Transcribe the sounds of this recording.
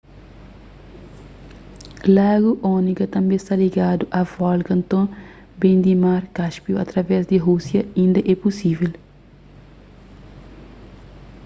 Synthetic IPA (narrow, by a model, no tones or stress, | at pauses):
laːɡuʔonikɐt̪ɐ̃mbẽst̪aliɡaːd̪uʔɐvɔlkɐ̃nt̪õ | bẽnd̪imaːɾkaʃpiuɐt̪ɾɐvɛsd̪iɦusjɐĩnd̪ɐʔɛpusivel